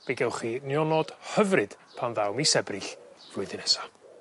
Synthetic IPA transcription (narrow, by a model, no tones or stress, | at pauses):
b̥eɡɛwˠχinjɔnɔd̥həvrɨd̥ | pʰanðawmisɛbrɪɬrʊɨðɪnɛsa